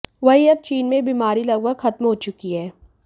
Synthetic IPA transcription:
ʋɐɦiɐb̚t͡ʃiːnmẽbiːmaːɾilɐɡwəɡxɐt̪mɦoːt͡ʃʊkiɦɛː

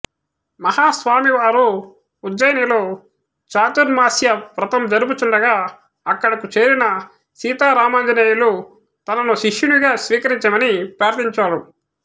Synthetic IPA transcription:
mɐhaːsʋaːmiʋaːɾuː | d̪ːɐjɐnɐloː | t͡ʃaːt̪unmaːsjɐpɾɐt̪ɐmd͡ʒɐɾuput͡ʃuɳɖɐɡaː | ɐkːɐɽɐkut͡ʃe̞ːɾinɐ | siːt̪aːɾaːmɐnd͡ʒɐneːjulu | t̪ɐnɐnuʃiʂjuniɡaːsʋiːkɐɾiɲt͡ʃɐmɐnipɾaːɾd̪iɲt͡ʃaːɾu

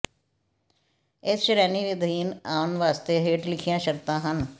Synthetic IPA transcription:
ɪsʃɾɛːniːʋɪd̪ʱiːnaːʊnʋaːst̪eːɦeːʈlɪkʰijãːʃəɾt̪ãːɦən

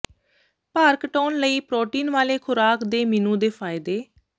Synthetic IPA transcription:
paːɾkʈɔːnləiːpɾoːʈiːnʋaːleːkʰʊɾaːkd̪eːminũːd̪eːpʰaːjɪd̪eː

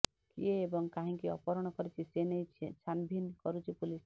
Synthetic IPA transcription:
kḭeːbɔŋkaɦĩkiɔ̰pɔɾɔɽ̃ɔkɔɾit͡ʃʰisenejt͡ʃʰet͡ʃʰanbʱinkɔɾut͡ʃʰipulis

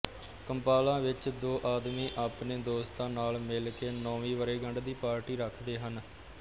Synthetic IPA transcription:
kəmpaːlãːʋɪt͡ʃd̪oːʔaːd̪miːʔaːpneːd̪oːst̪ãːnaːlmɪlkeːnɔ̃ːʋiːʋəɾeːɡəɳɖd̪iːpaːɾʈiːɾəkʰd̪eːɦən

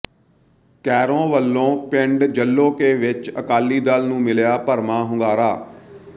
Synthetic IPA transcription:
kɛːɾõːʋəlːõːpɪɳɖd͡ʒəlːõːkeːʋɪt͡ʃəkaːlːiːd̪aːlnũːmɪljaːpəɾmãːɦʊ̃ŋɡaːɾaː

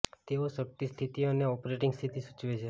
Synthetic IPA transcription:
t̪eosək̚ʈ̪ist̪ʰit̪iəneɔpɾeʈɪŋɡst̪ʰit̪isut͡ʃʋet͡ʃʰe

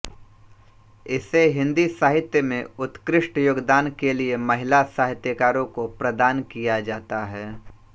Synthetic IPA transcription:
ɪseɦɪ̃nd̪isaːɦɪt̪jəmẽʊt̪kɾɪʃʈjoːɡd̪aːnkeliemɐɦɪlasaːɦɪt̪jəkaːɾõkopɾɐd̪aːnkijad͡ʒaːt̪aɦɛː

